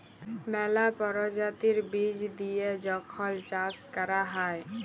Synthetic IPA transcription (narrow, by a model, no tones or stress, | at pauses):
mɛːlapəɾɔd͡ʒat̪iɾbid͡ʒd̪ijed͡ʒɔkʰɔlt͡ʃaskəɾaɦaj